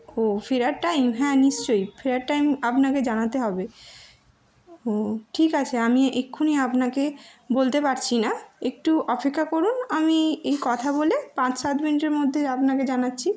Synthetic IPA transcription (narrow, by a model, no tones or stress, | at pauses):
ofiɾaɾʈajmɦɛ̃niʃt͡ɕojfiɾaɾʈajmapnaked͡ʑanat̪eɦɔbe | oʈʰikat͡ɕʰeamiekʰːuniapnakebolt̪epaɾt͡ɕʰinaek̚ʈuɔpekʰːakoɾunamiejkɔt̪ʰabolepãt͡ɕsat̪miniʈeɾmod̪ʱːeapnaked͡ʑanatːɕʰi